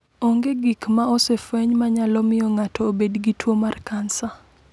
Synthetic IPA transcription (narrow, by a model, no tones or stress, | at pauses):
oŋɡeɡikmaɔsefɛɲmaɲalɔmɪjɔŋatʰɔːbedɡitwomarkansa